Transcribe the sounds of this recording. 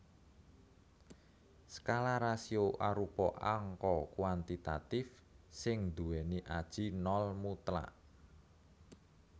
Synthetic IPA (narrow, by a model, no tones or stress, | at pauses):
sə̥kalaɾasioʔaɾupɔʔaŋkɔkwant̪it̪at̪ɪf | sɪŋd̪uwɛniʔad̥ʒ̥i̤nɔlmut̪la̰ʔ